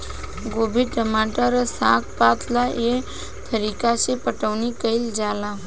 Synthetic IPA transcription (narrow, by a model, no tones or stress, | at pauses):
ɡoːbʱiʈəmaːʈəɾəsãkpat̪ʰlaʔe | t̪ʰəɾikasepəʈəʋnikəɪld͡ʒaːla